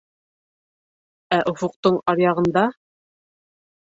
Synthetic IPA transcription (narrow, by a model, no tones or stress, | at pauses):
æʔŏfŏqt̪oɴɑɾjɑʁɤ̆nd̪ɑ